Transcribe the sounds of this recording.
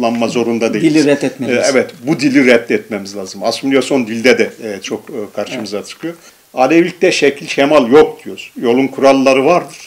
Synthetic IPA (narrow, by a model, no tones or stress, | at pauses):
lˠanmazo̞ɾund̪ad̪ejilʲiɾɛt̪ːɛt̪mɛɛvɛt̪bud̪ilʲiɾɛt̪ːɛt̪mɛmizlʲˠaːzɯmasumijaso̞nd̪ilʲd̪ɛd̪ɛt͡ʃʰo̞kːkʰaɾʃɯmɯzat͡ʃʰɯ̥kʰɯjo | anevlʲic̚t̪ɛʃɛcʰilʲʃemalʲˠjo̞k̚d̪yjoɾzjo̞lˠunkʰuɾalˠːaɾɯvaɾd̪ɯɾ̥